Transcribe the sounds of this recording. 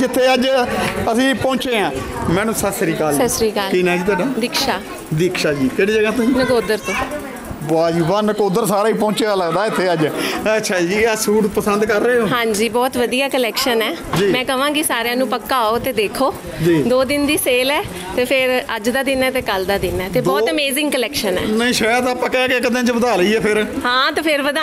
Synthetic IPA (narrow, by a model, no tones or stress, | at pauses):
d͡ʒɪt̪ʰːeːəd͡ʒəsĩːpɔ̃ːt͡ʃeːãːmɛ̃ːnũːsəsɾiːkəlsəsɾiːkalkinɛ̃ːd͡ʒiːt̪aːɖaːd̪ɪkʃaː | d̪ɪkʃaːd͡ʒiːt̪eːɽiːd͡ʒəɡãːt̪ʊĩːnəkoːd̪əɾt̪õː | baːd͡ʒiːbaːnəkoːd̪əɾsaːɾaːiːp̬õːt͡ʃeːd̪aːləɡd̪aːɪt̪ʰːeːəd͡ʒətːʃʰaːd͡ʒiːasuːʈpəsənd̪kəɾːəeːɦoːɦãːɲd͡ʒiːbɔːt̪ʋəd̪ijaːkəlɛːkʃənɛːd͡ʒiːmɛ̃ːkəʋãːkɪsaːɾeãːnũːpəkːaːoːt̪eːd̪eːkʰoː | d͡ʒiːd̪oːd̪ɪnd̪iːseːlɛː | t̪eːpʰɪɾəd͡ʒd̪aːd̪ɪnɛːt̪eːkəld̪aːd̪ɪnɛːt̪eːbɔːəmeːzɪ̃ŋɡkəlɛːkʃənɛ̰ːnəĩːʃəat̪aːpəkaːkekəd̪ẽːt͡ʃəbəd̪aːləiːɛːpʰɪɾhãːt̪eːpʰɪɾʋəd̪aː